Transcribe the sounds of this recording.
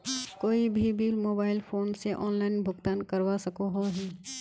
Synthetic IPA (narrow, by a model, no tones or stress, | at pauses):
koːibʱibʱiːlmoːbaːɪlpʰoːnseʔɔːnlaːɪnbʱʊɡt̪aːnkəɾwasəkoɦoɦɛː